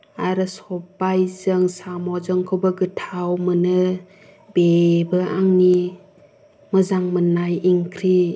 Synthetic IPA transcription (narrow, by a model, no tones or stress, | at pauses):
aɾɯsɔbajzɯŋsamɔzəŋkʰɯwbəɡɯtʰawmɯnɯ | bebɯʔaŋni | mɯzaŋmɯnajiŋkʰɾi